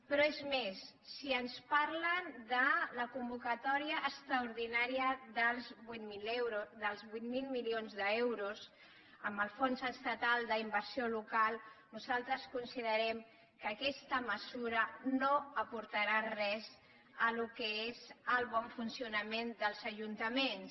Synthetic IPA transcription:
pɾɔezmesːiənspaɾlənd̪ələkumbukət̪ɔɾiəʔːkst̪ɾəuɾðinaɾiəðəlˠzβut̪milewɾðəlˠzβujt̪milˠmilionzðəewɾus | əmbəlˠfonzəst̪ət̪alˠd̪əimbəɾsiolukalˠnuzalˠt̪ɾəskunsiðəɾɛm | kəkɛst̪əməzuɾənoəpuɾt̪əɾarɛz | əlukəezəlˠβɔɱfunsiunəmend̪əlˠzəʒunt̪əmens

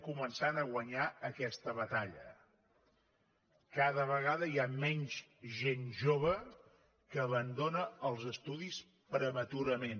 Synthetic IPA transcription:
kumənsanəɣwəɲaəkɛst̪əβət̪aʎə̰ | kaðəβəɣaðəiamɛɲzʒenʒoβ̞ə | kəːβənd̪onəːlˠzəst̪uðis | pɾəmət̪uɾəmen

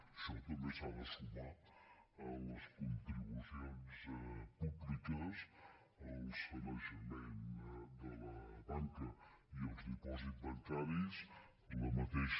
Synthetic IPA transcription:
ʃɔt̪əmesaβəsuβat | ələskunt̪ɾiβusjonspuβlikəs | əlˠsfəmaʒəmɛnd̪ələβaŋkə | iəlˠzðipɔzit̪̚bɐŋkaɾis | ələmət̪ɛʃ

